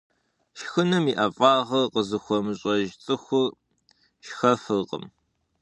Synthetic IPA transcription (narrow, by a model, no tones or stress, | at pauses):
ʃxɨnɨmiʔɐfʼɑːʁɐrqəzɨxʷɔmɨɕʼɐʒt͡sʼɨxʷʊr | ʃxɐfɨrqʼə̰m